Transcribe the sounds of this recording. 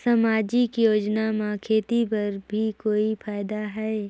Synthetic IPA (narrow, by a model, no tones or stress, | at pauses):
sɐmaːd͡ʒikjoːd͡ʒnamãkʰeːt̪ipɐɾbʱikoːifʰaːɪd̪aɦɛː